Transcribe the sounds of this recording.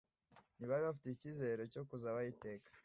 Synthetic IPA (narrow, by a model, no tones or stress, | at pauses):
niβaɾiβafi̥teciːzeɾe̞co̞kuzaβajite̞ːkḁ